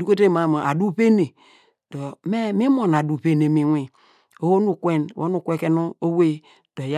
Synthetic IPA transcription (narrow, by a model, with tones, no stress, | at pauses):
u˦ko˦te˦˨ma˨ma˨ʔa˨du˦pe˦ne˨ | d̥o˨me˦mi˦mo˨n˨a˨du˨pe˦ne˨mi˨wʷi˨ | o˨wo˦nu˨kwe˦n˨wo̰˦nu˦˨kʷe˦ke˦no˦o˦we˦ | d̥o˨ja˦